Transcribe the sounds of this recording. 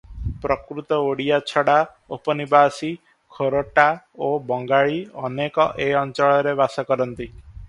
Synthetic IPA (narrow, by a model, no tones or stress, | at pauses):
pɾɔkɾut̪ɔoɽijat͡ʃʰɔɽa | opɔnibasi | kʰoɾoʈa | obɔŋɡaɭiɔnekɔʔeɔnt͡ʃɔɭɔɾebasɔkɔɾɔnt̪i